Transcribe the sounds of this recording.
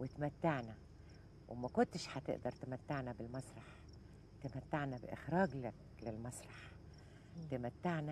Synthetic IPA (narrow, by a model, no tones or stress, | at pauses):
wet̪mæt̪ːaʕnæ | wɪmækʊnt̪ʃhæt̪ḛʔd̪ɑɾˤt̪ɪmæt̪ːaʕnæbɪlmɑsˤɾˤɑħ | t̪amæt̪ːaʕnæbɪ̰ʔɪ̰xɾɑːɡlæk | lɪlmɑsˤɾˤɑħ | t̪ɪmæt̪ːaʕnæ